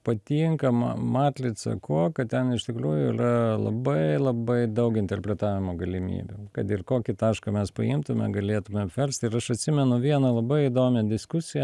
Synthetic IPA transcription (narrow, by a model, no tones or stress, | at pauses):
pɐt̪ʲiːŋkɐmɐmɑːt̪ʲlʲɪsɐ̰koːkɐtt̪ʲɛnɪʃt̪ʲɪkɾuːjʊɪ̰rɐlˠɐ̰bɐɪlˠɐbɐɪd̪ɐʊkɪnʲt̪ʲɛrʲpʲɾʲɛt̪ɑːʋʲɪmoːɡɐlʲɪmʲḭːbʲṵkɐt̪ɪrkoːkʲɪt̪ɑːʃkɐmʲɛspɐ̰ɪmt̪ʊmʲɛ̰ɡɐlʲeːt̪ʊmʲɛɐpʲʋʲɛlʲsʲt̪ʲɪɾɐʃɐt̪ʲsʲɪmʲɛnʊʋʲiɛnɐlˠɐbɐɪɪd̪oːmʲɛd̪ʲɪskʊsʲɪjɛ